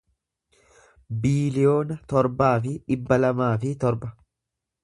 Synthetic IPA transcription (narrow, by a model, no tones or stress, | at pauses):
biːlɪjo̞ːnɐt̪ɔɾbaːfɪᶑɪbːɐlɐmaːfɪt̪ɔɾbɐ